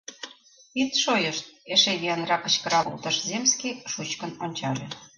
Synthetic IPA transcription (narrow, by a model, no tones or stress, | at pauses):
it̪ʃojəʃt̪̚eʃejeənrɑkə̆t͡ɕkə̆ɾɑṵlt̪ɤ̆ʃzemskiʃut͡ɕkə̆nonʲt͡ɕɑɾe